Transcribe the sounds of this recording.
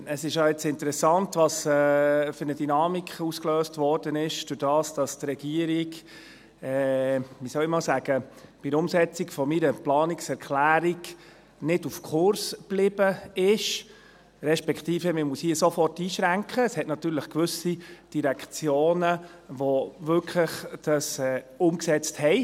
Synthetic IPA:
əsɪʃjɑɪt͡sɪntəɾɛsɑntʋɑsɛːfʏɾnədynɑːmikχuskløːstʋɔrd̥ənɪʃd̥ʊɾd̥ɑːsd̥ɑstɾɛɡ̥iəɾiɡ | ɛʋisœlimɑːlsæɡ̥əb̥idɾəʊmsɛt͡sikfɔmiɾəplɑːniksɛɾkχlæːɾiɡ | nɪdufkʰʊɾsb̥lɪb̥əɪʃ | ɾɛʃpɛkχt̪iːfɛmɪmuəshiːsofɔrtiːʃɾæŋkχəːshɛtnɑt̪yːɾləχkʋʏsid̥iɾækt͡sjoːnəʋɔʋʏkʰləχd̥ɑsɛʊmksɛt͡sthɛɪ

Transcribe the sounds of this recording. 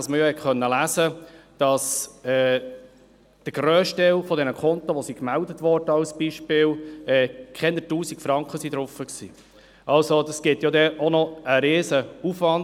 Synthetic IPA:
ɑsməjohɛtχœnːəlæːsəd̥ɑsɛ | d̥əɡ̥ɾøːʃtɛlfɔdɛnəkʰɔnt̪oʋɔsikmældətʋɔɾdəɑlsb̥iʃpɪːlɛkʰɛnd̪ətːuːsikfɾɑŋkχəsidɾʊfəksḭː | ʔɑlsod̪ɑsɡ̥ɪtjɑdɛʔonɔəɾeːsəufʋɑnd

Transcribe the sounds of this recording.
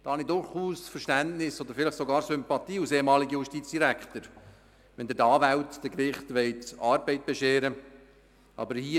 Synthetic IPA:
d̥ɑːhɑnidʊɾχuːsfəɾʃtæntnɪsod̪əɾfɪlɪχsoɡɑːɾsʏmpɑtiːuseːmɑːliɡijuʃtit͡sd̥iɾækχt̪əɾ | ʋɛnd̪ətɑːvæʊtd̥əkrɪχtʋɛɪtɑːɾbɛɪt̚b̥eʃɛːɾə | ʔɑ̰ːbəɾhiːə

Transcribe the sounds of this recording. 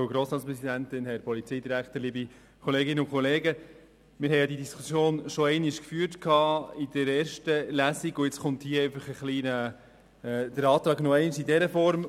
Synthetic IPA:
oɡɾoːsɾɑːtspɾɛsidæntɪnhɛɾpɔlit͡sijdiɾækχtəɾliːbi | kʰɔleːɡɪnəʊkʰχɔleːɡə | mɪɾɦɛɪjɑdidiskʰusjoːnʃoɛɪnɪʃkfyːəɾtkʰɑːidəɾɛːɾʃtəlæsiɡʊjɪt͡sχʊnthiəɛɪfəχəχlinə | d̥əɾɑːt̪ɾɑːɡnɔɛɪnɪʃidɛɾəfɔɾm

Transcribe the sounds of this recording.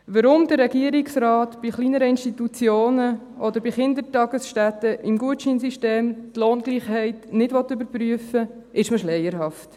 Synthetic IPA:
ʋəɾʊmd̪əɾːɛɡiəɾɪksɾɑːtb̥iχliːnəɾəɪnʃtit̪ut͡sjoːnə | ʔɔd̪əɾbiχɪnd̪əɾtɑɡəsʃtætəʔɪmɡuətt͡ʃinsiʃteːmtloːnɡliːχhɛɪtnɪdʋɔt̪ːʏbəɾpɾyəfə | ʔɪʃməʃlɛjəɾɦɑft

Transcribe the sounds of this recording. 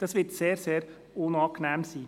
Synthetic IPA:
d̥ɑsʋɪtseːɾseːɾ | ʊnɑːknɛːmsiː

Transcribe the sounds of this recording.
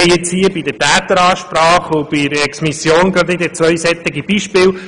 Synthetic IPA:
ɛjɪt͡shiəbɪd̪ətæːt̪əɾɑːʃpɾɑːχʊb̥iəɾɛksmisjoːnɡɾɑd̪id̪ɛt͡sʋœjsɛt̪ːɪɡib̥iːʃpɪːl

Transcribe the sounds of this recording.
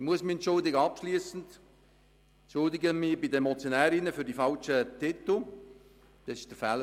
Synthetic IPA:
muəsmiɛntʃʊldɪɡəɑpʃliːsn̩d | t͡ʃʊld̪ɪɡəmiːbidəmɔt͡sjonæːɾɪnəfyɾdifɑlt͡ʃətɪt̪l̩ | d̪̥ɑsɪ̥ʃd̥əfæːl

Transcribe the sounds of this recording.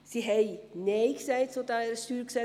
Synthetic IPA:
siɦɛɪneɪkseɪtsot̪asʃtyːɾksɛ

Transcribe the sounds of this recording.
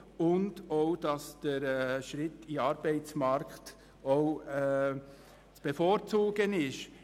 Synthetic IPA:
ʊndoʊd̥ɑsd̥əɾʃɾɪtːiɑɾbɛɪt͡smɑɾkt | oʊ | t͡sb̥efoːɾt͡suːɡənɪʃ

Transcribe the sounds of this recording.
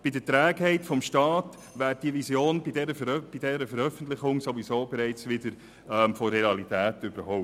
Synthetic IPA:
b̥idətɾæːɡhɛɪtfɔmʃtɑːt | ʋæːt̚d̥iəʋisjoːnbidɛɾəb̥idɛɾəfəɾœfən̩tlɪχʊŋsoʋisoːbɛɾɛɪt͡sʋɪdəɾ | ɛmfɔːeɑlitæːtʏb̥əɾɦɔʊ

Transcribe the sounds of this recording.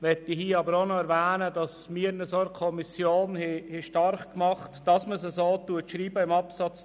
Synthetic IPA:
ʋɛtːihiːɑbəɾonoɛɾvæːnədɑsmiːɾnəsoɾkʰɔmisjoːnhɪhɪʃtɑrχkmɑχtd̥ɑsməsəzoːtuətʃɾiːbəɪmɑpsɑt͡s

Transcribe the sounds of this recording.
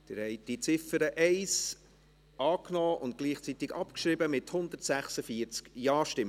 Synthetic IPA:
d̥̪ɪɾhɛɪd̥it͡sɪfəɾəʔɛɪs | ʔɑːknɔːʊnt̪̚ɡ̥liːχt͡sit̪ɪɡɑpkʃɾɪbəmɪthʊnd̪ətsæχsəfiəɾt͡skjɑːʃtɪm

